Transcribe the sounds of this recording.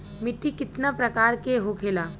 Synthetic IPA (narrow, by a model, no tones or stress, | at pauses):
mɪʈːikɪt̪napɾɐkaːɾkeɦokʰeːlaː